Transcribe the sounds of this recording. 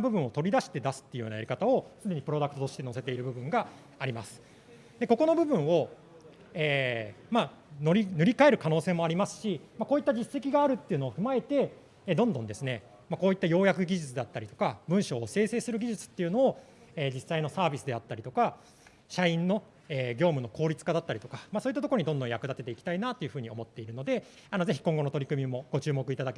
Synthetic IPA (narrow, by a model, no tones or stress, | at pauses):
bɯ̟bɯ̟̃ɰ̃o̞t̪o̞ɾʲid̪aɕi̥t̪e̞d̪asɨ̥t̪ːe̞iɯ̟joːnajaɾʲikat̪ao̞sɨd̪e̞ɲ̟ipɯ̟ɾo̞d̪akɯ̟t̪ot̪o̞ɕi̥t̪e̞no̞se̞t̪e̞iɾɯ̟bɯ̟bɯ̟̃ŋɡaː | ɾʲimasɨ̥ | d̪e̞ko̞ko̞no̞bɯ̟bɯ̟̃ɰ̃o̞ | eːma | noɾʲinɯ̟ɾʲikae̞ɾɯ̟kano̞ːse̞ːmo̞aɾimasɨ̥ɕimako̞ːit̪ːaʑise̞kʲiɡaːɾɯ̟t̪ːe̞iɯ̟no̞ːɸɯ̟mae̞t̪e̞ | d̪õnd̪õ̞nd̪e̞sɨne̞ | makoːit̪ːajo̞ːjakɯ̟ɡʲiʑɨt͡sɨd̪eat̪ːaɾʲit̪o̞̥kabɯ̟̃ɰ̃ɕo̞ːse̞ːse̞ːsɨɾɯ̟ɡʲiʑit͡sɨ̥t̪ːe̞iɯ̟no̞ː | eːd͡ʑisːaino̞saːbʲisɨd̪e̞at̪ːaɾʲit̪o̞ka | ɕaĩnːo̞ | eːɡʲo̞ːmɯ̟no̞kʰo̞ːɾʲit͡sɨ̥kad̪at̪ːaɾʲit̪o̞kḁmasoːit̪ːat̪okoɾoɲ̟id̪õnd̪õjakɯ̟d̪at̪e̞t̪eiki̥t̪ainaːt̪ːo̞jɯ̟ɸɯ̟ːɲ̟io̞mo̞t̪ːe̞iɾɯ̟no̞d̪e̞ | ano̞ze̞çʲi̥kõ̞ŋɡo̞no̞t̪o̞ɾʲikɯ̟mʲimo̞ɡ̥o̞t͡ɕɨːmo̞kɯ̟it̪ad̪ake